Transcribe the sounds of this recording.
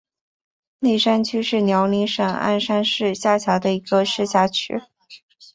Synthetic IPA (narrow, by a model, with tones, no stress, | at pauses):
ni˥˩ʂa˥nt͡ɕʰy˥ʂɻ̩˥˩njɑ˧˥ʊli˧˥ŋʂɤ˨˩ŋa̰˥˩nʂa˥nʂɻ̩˥˧ɕja˥˩t͡ɕʰjɑ˧˥d̪ə˧i˧˥ɡə˧ʂɻ̩˥˧ɕja˥˩t͡ɕʰy̰˥